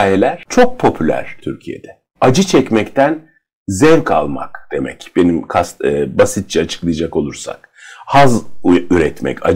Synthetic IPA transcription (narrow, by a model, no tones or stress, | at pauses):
jelʲæɾ̥t͡ʃʰo̞k̚pʰo̞pʰylʲæ̰ɾ̥t̪ʰyɾcʰijḛd̪̥ɛ | ad͡ʒɯt͡ʃʰɛcmɛct̪ʰæn | zɛvkʰa̰lˠma̰kd̪̥e̞mɛ̰cbe̞nimkʰasbasit̪̚t͡ʃʰɛat͡ʃʰɯ̥klˠɯjd͡ʒako̞lˠuɾsa̰k | hazyɾɛt̪mɛ̰ca̰